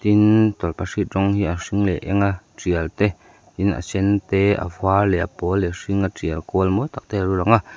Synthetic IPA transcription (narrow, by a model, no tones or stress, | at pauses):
t̪int̪ɔlpaʂirɔŋhiʔasiŋlɛʔɛ̰ŋa | t͡siəlt̪ɛ | t̪ina̰sɛnt̪ɛa̰fwalɛapɔlɛʂiŋat͡siəlkolmot̪ak̚t̪ɛaɾuɾaŋa